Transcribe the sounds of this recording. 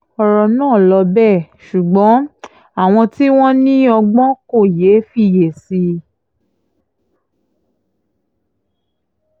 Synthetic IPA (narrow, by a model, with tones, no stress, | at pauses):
ɔ˧ɾɔ˧nãː˦˨lɔ˧bɛ˦˨ʃu˨ɡ͡bɔ̃˨˦ | a˦˨w̃ɔ̃˧ti˦w̃ɔ̃˦nĩ˦ɔ˧ɡ͡bɔ̃˦ko˦˨je˨˦fi˦˨je˨si˧